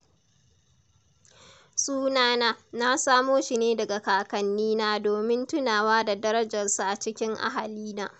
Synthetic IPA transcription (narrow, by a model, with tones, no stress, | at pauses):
suː˦naː˦naː˦na˦saː˦moː˦ʃi˨neː˦dɐ˨ɡa˨kaː˨kɐ˨nːiː˦naː˦doː˨mɪ˦ntʊ˦naː˨waː˦da˨dɐ˦ɾɐ˦d͡ʒɐ˨rsu˨ʔa˨t͡ʃɪ˦kʲɪ˦ŋʔa̰˦ɦa˨liː˦naː˦